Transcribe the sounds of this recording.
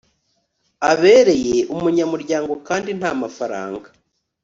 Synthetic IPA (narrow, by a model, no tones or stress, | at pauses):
aβe̞ːɾe̞je̞ʔumuɲamuɾɟaːŋɡo̞kaːndin̥haːmafaɾa̰ːŋɡa